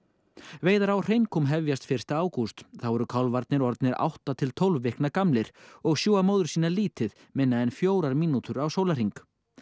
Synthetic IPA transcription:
veːjðaɾawr̥ejŋkʊmɦɛvjast̪fɪr̥t̪aaːwkust̪θawɛɾʏkʰawlvaɾt̪nɪɾɔɾt̪̚nɪɾa̰wht̪at̪ʰɪlt̪ʰowlvːɪhknakamlɪɾ̥ɔɣsjuːamoːwðʏɾ̥siːnaliːt̪ɪð | mɪnːaɛnfjoːwɾaɾmiːnut̪ʏɾawsoːwlar̥iŋk

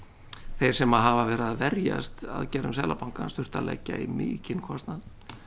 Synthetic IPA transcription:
θejɾ̥sɛmaðɦavavɛːɾaðvɛɾja̰st̪a̰ðcɛːɾʏmsɛːlʔapʰawŋkanst̪ʏr̥t̪alɛ̰cːaimɪːcɪnkʰɔst̪nað

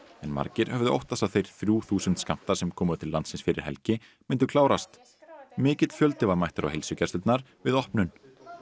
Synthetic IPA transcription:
ɛnma̰ɾcɪɾ̥hɛvðʏʔo̰wht̪θasawθejɾ̥θɾjuːθuːsʏnt̪skam̥t̪ḁsɛmkʰɔːmʏœt̪ʰɪlːant̪sɪnsfɪɾɪ̰ɾ̥hɛ̰lcɪ | mɪnt̪ʏkʰlaːwɾast̪ | mɪːcɪt̪fjœlt̪ɪvaɾmajht̪ʏɾa̰whelsʏcast̪ʏt̪naɾ̥ | vɪðɔhpnʏn

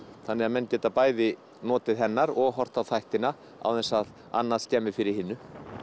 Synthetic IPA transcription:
θanːɪɣaðmɛnːcɛːt̪apaːjðɪ | nɔːt̪ɪðɦɛnːaɾɔɣɦɔr̥t̪awθajht̪ɪna | a̰wθɛnsað | a̰nːascɛːmɪɾ̥fɪɾɪɾ̥hɪnːʏ

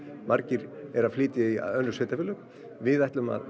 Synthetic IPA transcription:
mʔaɾcɪɾɛɾaðflɪːt̪ɪiœnːʏseːt̪afɪːlʏk | vɪðaht̪lʏma̰ð

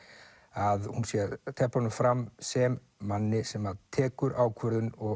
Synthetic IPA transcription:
aðhunsjɛɾt̪ʰɛhpanʏmfɾamsɛmː | anːɪsɛmaðt̪ʰɛːkʏɾaːwkʰvœɾðʏnɔ

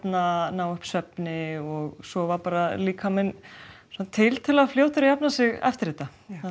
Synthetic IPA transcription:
nanaːwʏhpsœpnɪɔɣsɔvapaːɾaliːkʰamɛnsant̪ʰːɪlt̪ʰɪlafljowht̪ɪɾɪjapnasɪɣɛ̰ft̪ɪɾiːt̪a

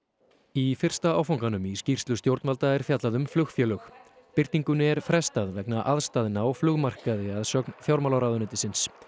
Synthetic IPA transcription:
ifɪr̥st̪aawfawŋkanʏmiscir̥st̪lʏst̪jowɾt̪nvalt̪aɛɾ̥fjat̪laðʏmflʏxfjɛːlʏx | pɪrt̪niŋkʏnɛɾfɾɛst̪aðvɛknaʔaðst̪aːðɪnawflʏɣmar̥kaðɪaðsœknfjawɾmalawɾaðʏnʏːt̪ɪsɪns

